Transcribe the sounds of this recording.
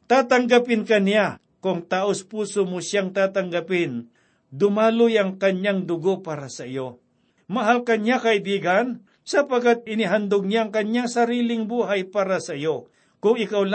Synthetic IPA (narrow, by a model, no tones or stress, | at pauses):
t̪aːt̪aŋɡapɪnkanɪja | kʊŋt̪aːʔospuːsomʊʃjaŋt̪aːt̪aŋɡapɪn | d̪ʊmaːlʊjɐŋkɐɲjaŋd̪ʊɡopaːɾasɐʔɪjo | mɐɦalkɐnjakɐʔɪbiːɡan | sɐpaɡat̪̚ɪnɪɦand̪ʊɡ̚ɲjaɐŋkɐɲjaŋsɐɾiːlɪŋbuːɦajpaːɾasɐʔɪjo | kʊŋɪkawl